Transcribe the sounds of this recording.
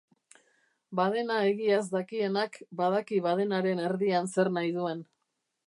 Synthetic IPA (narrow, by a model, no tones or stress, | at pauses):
baðe̞nae̞ɣiazd̪akie̞nakbaðakiβað̞e̞naɾe̞ne̞ɾðianse̞ɾnajð̞ue̞n